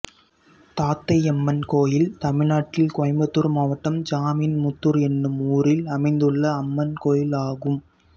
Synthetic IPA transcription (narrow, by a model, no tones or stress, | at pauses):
t̪aːt̪ːɐɪɛmːɐnkoːjɪlt̪ɐmɪnaːʈːɪlkɔɐmbɐt̪ːɯɾmaːʋɐʈːɐmd͡ʒaːmiːnmʊt̪ːɯɾɛnːɯmuːɾɪlɐmɐɪnd̪ɯɭːɐːmːɐnkoːjɪlaːɣɯm